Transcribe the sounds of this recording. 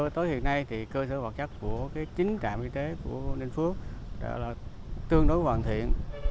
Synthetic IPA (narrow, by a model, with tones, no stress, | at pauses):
t̪o˨˦jhḭ˧˨ənːa˧jt̪ʰi˨˩kəː˧səː˧˩va˨˩t̚t͡ɕa˦˥k̚ku˧˩əkaː˨˦jt͡ɕï˨˦ŋ̟t͡ɕa̰ː˧˨mʔi˧t̪e˨˦ku˧˩əne˧nfu˦˥ək̚ɗa̰˧˩laː˨˩ | t̪ɨ˧əŋɗo˨˦jkwaː˨˩nt̪ʰḭ˧˨ən